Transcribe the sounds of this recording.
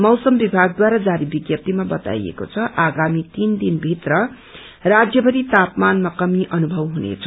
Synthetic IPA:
mʌwsʌmbibʱaɡ̚d̪waɾad͡zaɾibiɡjʌp̚t̪imabʌt̪a̰jḛko̰t͡sʰʌʔaɡamit̪ind̪inbʱit̪rʌ | rad͡zjʌbʌɾit̪apmanmakʌmiʔʌnubʱʌwɦunḛt͡sʰʌ

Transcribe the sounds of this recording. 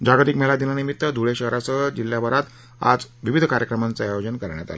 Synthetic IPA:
d͡ʑaɡat̪ikmɛlad̪inanimit̪ːəd̪ʱuɭeɕəɦɾasəd͡ʑilːjabəɾat̪ | a̰d͡zʋiʋid̪ʱəkaɾjəkɾəmant͡səajod͡zənkəɾɳja̰t̪a̰lə

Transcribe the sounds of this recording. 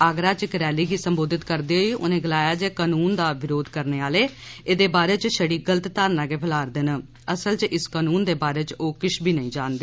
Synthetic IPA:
aːɡɾaːt͡ʃkəɾɛːliːɡiːsəmboːd̪ɪt̪kəɾd̪eːɦoːiːʔʊnẽːɡɪlaːjaːd͡ʒeːkaːnuːnd̪aːʋɪɾoːd̪kəɾneːaːleːeːd̪eːbaːɾeːt͡ʃʃəɽiːɡələt̪t̪aːɾnaːɡeːpʰəlaːɾd̪ɪn | əsəlt͡ʃɪskaːnuːnd̪eːbaːɾeːt͡ʃoːkɪʃʰbʱiːnəĩːd͡ʒaːnd̪eː

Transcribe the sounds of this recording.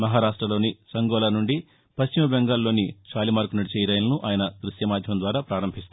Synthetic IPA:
mɐɦaːɾaːʂʈɾɐlo̞ːnisɐŋɡɔːlaːnuɳɖi | pɐɕt͡ʃimɐbeŋɡaːlːo̞ːnit͡ʃaːlimaːɾkunɐɽit͡ʃɛjɾɐjɐlɐnuʔaːjɐnɐd̪ɾuʃjɐmaːd̪ʱjɐmd̪ʋaːɾaːpɾaːɾɐmbʱist̪u

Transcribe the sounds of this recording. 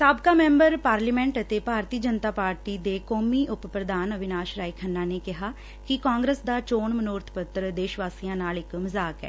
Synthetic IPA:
saːbkaːmɛ̃ːmbəɾpaːɾlimɛ̃ːɳʈət̪eːpaːɾt̪iːd͡ʒənt̪aːpaːɾʈiːd̪eːkɔːmiːʔʊppɾəd̪aːnəʋɪnaːʃɾaːikʰənːãːneːkɪɦaː | kɪkãːŋɡɾəsd̪aːt͡ʃoːɳmənoːɾt̪ʰpət̪ɾd̪eːʃʋaːsijãːnaːlɪkməzaːkɛ̰ː

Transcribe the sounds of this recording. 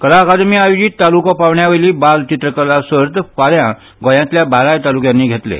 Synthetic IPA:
kəlakad̪miajd͡ʑiːt̪ːalukɔpaʋɳjaʋəliːbalt͡ɕit̪ɾəkəlasəɾt̪paljã | ɡɔ̃jãt̪ljabaɾajt̪alukjãnːiːɡʱet̪lḛ

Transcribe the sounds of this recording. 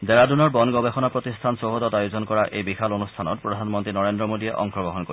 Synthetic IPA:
d̪ɛɹadunɔɹbɔnɡɔbexɔnapɹot̪istʰansoɦodɔtajozɔnkɔɹaʔejbixalonustʰanɔt̚pɹɔdʱanmɔntɹinɔɹendɹɔmodiɛʔɔ̰ŋkʰɔɡɔɦɔnkoi

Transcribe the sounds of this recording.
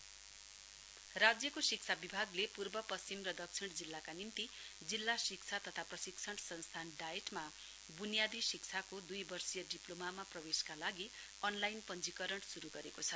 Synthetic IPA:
rad͡zjʌkosik̚t͡sʰabibʱaɡlepurbʌpʌst͡ɕimrʌd̪ʌkt͡sʰiɽ̃d͡zilːakanimt̪i | d͡zilːasik̚t͡sʰat̪ʌt̪ʰaprʌsikt͡sʰʌɽ̃sʌnst̪ʰanɖaeʈma | bunijad̪isik̚t͡sʰakod̪ujbʌrsijʌɖiplomamaprʌbeskalaɡi | ʌnlajnpʌnd͡zikʌɾʌɳsuɾuɡʌɾekot͡sʰʌ

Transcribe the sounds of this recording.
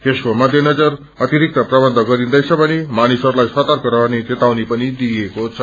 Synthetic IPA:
t̪eskomʌd̪ʱjenʌd͡zʌɾ | ʌt̪iɾik̚t̪ʌpɾʌbʌnd̪ʱəɡʌɾind̪ʌjt͡sʰʌpʌnimanisʌɾulajsʌt̪aɾkʌɾʌnit̪et̪awnipʌnid̪ijekot͡sʰʌ

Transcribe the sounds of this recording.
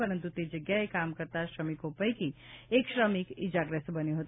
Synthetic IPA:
pəɾənt̪ut̪ed͡ʒəɡjaekamkəɾt̪aʃɾəmikɦopəjkieksɾəmikid͡ʒaɡɾəst̪bəneɦot̪

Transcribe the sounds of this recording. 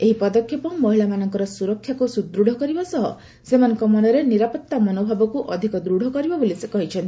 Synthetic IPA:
eɦipɔd̪ɔkʰːjepɔmɔɦilamanɔŋkɔɾɔsuɾɔkʰːjakusud̪ɾuɽ̤ʱɔkɔɾibasɔɦɔ | semanɔŋkɔmɔnɔɾeniɾapɔt̪ːamɔnobʱabɔkuʔɔd̪ʱikɔd̪ɾuɽ̤ʱɔkɔɾibɔbolisekɔɦit͡ʃʰɔnt̪i

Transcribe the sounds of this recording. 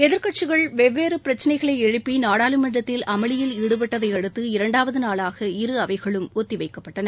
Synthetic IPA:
ɛðɪɾkɐʈ̚t͡ʃɯɣɐɭʋɛʋːeːɾɯpɪɾɐt͡ʃːɐnɐɪɣɐɭɐɪɛɻɯpːinaːɽaːlɯmɐɳrɐt̪ːɪlɐmɐɭɪjɪlɪɽɯpɛʈːɐðɐɪɐɽɯt̪ːɯɪɾɐɳɖaːʋɐðɯnaːɭaːɣɐɪɾɯɐʋɐɪɣɐɭɯmɔt̪ːiʋɐɪkːɐpːɐʈːɐnɐ

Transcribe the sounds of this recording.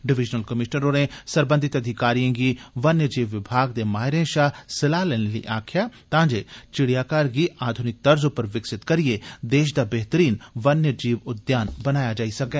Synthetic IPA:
ɖɪʋɪd͡ʒnəlkɐmɪʃnəɾoːɾẽsɐɾbə̃nd̪ʱɪt̪ɐd̪ʱɪkaːɾijãɡiʋɐnjəd͡ʒiːʋːɪbʱaːɡd̪emaːɦɪɾẽʃaːsɪlaːleːnelḭʔaːkʰjat̪ãːd͡ʒet͡ʃɪɽijaːkaːɾɡiaːd̪ʱʊnɪk̚t̪ɐɾzõpɐɾʋɪksɪt̪kɐɾied̪eːʃ̬d̪abɛɦt̪əɾiːnʋɐnjəd͡ʒiːʋʊd̪jaːnbɐnaːjad͡ʒaːisɐkɛː

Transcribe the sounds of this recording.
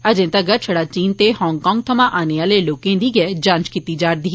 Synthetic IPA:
əd͡ʒẽːt̪aɡəɾt͡ʃʰəɽaːt͡ʃiːnt̪ehɔːŋkɔ̃ːŋɡ̚t̪ʰəmãːʔaːneaːleːloːkẽːd̪iːɡɛːd͡ʒãːnt͡ʃkiːt̪iːd͡ʒaːɾd̪iː

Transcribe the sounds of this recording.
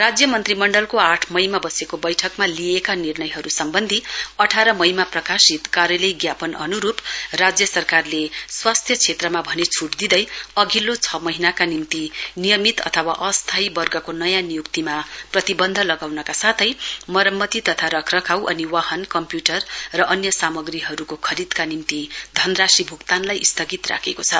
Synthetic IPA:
rad͡zjʌmʌnt̪rimʌɳɖʌlkoaʈʰmʌjmabʌsekobʌjʈʰʌkmaliekanirnʌjɦʌɾusʌmbʌnd̪ʱiʌʈʰaɾʌmʌjmaprʌkasit̪kaɾjʌlʌjɡjapʌnʌnuɾuprad͡zjʌsʌrkarleswast̪ʰjʌt͡sʰet̪rʌmabʱʌnet͡sʰuʈd̪id̪ʌjʌɡilːot͡sʰʌmʌɦinakanimt̪inijʌmit̪ʌ̰t̪ʰʌwa̰ʔʌst̪ʰajbʌrɡʌkonʌjãnijukt̪imaprʌt̪ibʌnd̪ʱʌlʌɡawnʌkasat̪ʰʌjmʌɾʌmːʌt̪it̪ʌt̪ʰaɾʌkʰrʌkʰawʔʌniwaɦʌnkʌmpjuʈʌrrʌʔʌnjʌsamʌɡriɦʌɾukokʰʌɾid̪kanimt̪id̪ʱʌnrasibʱukt̪anlajist̪ʰʌɡit̪ra̰kʰekot͡sʰʌ

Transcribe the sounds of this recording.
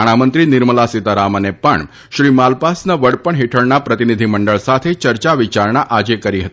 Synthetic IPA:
aɽ̃amənt̪ɾiːniɾməlasit̪aɾamənepəɳ | ɕɾiːmalpasnəʋəɽpəɳɦeʈʰəɭɳapɾət̪inid̪ʱiməɳɖəɭsat̪ʰet͡ɕəɾt͡ɕaʋit͡ɕaɾɳaʔad͡ʑekəɾiːɦət̪i

